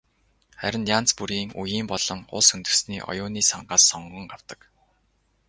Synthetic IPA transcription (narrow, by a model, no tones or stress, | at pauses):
χæ̰ɾʲɪ̆njaːn̥t͡spuɾiːŋṵjiːmpɔɮ̥ɞ̆ŋʊ̰ɮsɵnt̪ɵ̆sniːʔɔ̰jʊːniːsaɴɢaːsːɔɴɢɞ̆ŋɢaw̥t̪ə̆k